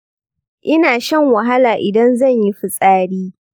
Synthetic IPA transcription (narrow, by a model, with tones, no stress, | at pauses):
ʔɪ˦naː˨ʃɐ˦˨ŋwɐ˨ɦa˦laː˨ʔɪ˨dɐ˦nzɐ˦˨ɲji˦ɸɪ˨sʼaː˦ɽiː˦